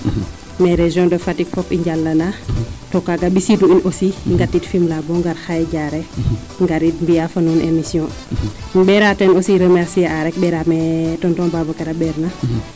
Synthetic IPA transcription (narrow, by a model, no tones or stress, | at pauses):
mɛɾeʒjɔ̃ndɔfatikfɔpiɲɟalːanatɔkaɡabisituinosiŋɡatːitfimlabɔŋɡaɾxajɛɟaɾɛ | ŋɡaɾitmbijafɐnunʔemisjɔ̃ | bɛɾatɛnosiɾəmɛɾsiaaɾɛk̚ɓɛɾamɛtɔntɔnbabɔkɛɾabɛɾna